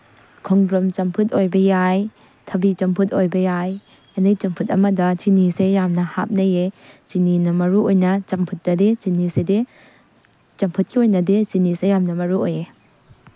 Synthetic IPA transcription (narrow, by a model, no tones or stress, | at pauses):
kʰɔŋdɾɔmt͡ʃɐmpʰutojbɐjaj | tʰɐbit͡ʃɐmpʰutojbɐjaj | enɐjt͡ʃɐmpʰutɐmɐdɐtʰinisejːamnɐha̰p̚nɐjet͡ʃininɐmɐɾuojnɐt͡ʃɐmpʰut̚ːɐdet͡ʃinisede | t͡ʃɐmpʰut̚kʰiojnɐdet͡ʃinisejamnɐmɐɾuoje